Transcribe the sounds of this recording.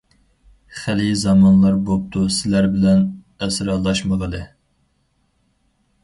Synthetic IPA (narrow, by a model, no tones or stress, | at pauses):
χælizɑmɑnlˠɑɾbop̚t̪ʰusɪlæɾbɪlɛn | æsɾɑlˠɑʃməʁəlˠɨ